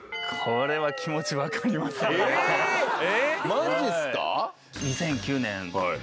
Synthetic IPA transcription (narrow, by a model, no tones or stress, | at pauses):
kʰoɾe̞βakʲʰimo̞t͡ɕiβakaɾʲimasɨ | emadesɨ̥ka̰ | ɲisẽ̞ŋkʲɨːnẽŋ